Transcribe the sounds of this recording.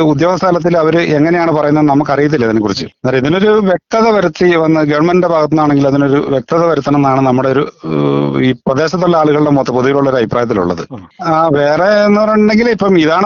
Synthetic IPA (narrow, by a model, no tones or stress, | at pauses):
ud̪joːɣɐst̪ʰaːlɐt̪̬ːilɐʋɐɾɨe̞ŋːɐnejaːɳɨpɐrɐjunɐðɨnɐmːɐk̬ːɐrijit̪̬ːilːɐt̪inːekːurit͡ɕːɨnaːɾeiðino̞ɾuʋjek̚t̪ɐðɐʋɐɾut̪ːiʋɐnːɐɡɐʋɐɳmendebʱaːɣɐt̪̬ːinːaːɳeŋɡilɐðino̞ɾuʋjek̚t̪ɐðɐʋɐɾut̪ːɐnenːaːɳɨnɐmːuɽeoɾu | iːprɐðe̞ːɕɐt̪ːolːɐaːɭuɣɐɭɽe̞mot̪ːɐpoðujiluɭːo̞ɾɐbʱipːraːjɐt̪ːilṵɭːɐ̰ðɨ̰aːʋe̞ːreːnːɨpɐrɐjuɳɳɖe̞ŋɡilipːɐmiðaːɳɨ